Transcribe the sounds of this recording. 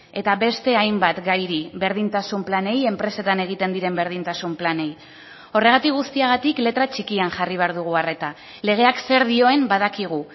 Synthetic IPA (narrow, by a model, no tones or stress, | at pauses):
e̞t̪aβe̞st̪e̞ajmbat̪ɡajɾiβe̞ɾðint̪asumplane̞je̞mpɾe̞se̞t̪ane̞ɣ̞it̪e̞nd̪iɾe̞mbe̞ɾð̞int̪asumplane̞j | o̞re̞ɣ̞at̪ikɡɣust̪iaɣ̞at̪ikle̞t̪ɾat͡ʃikianʝariβ̞e̞aɾðuɣ̞uare̞t̪a | le̞ɣ̞e̞akse̞ɾðio̞e̞mbað̞akiɣ̞u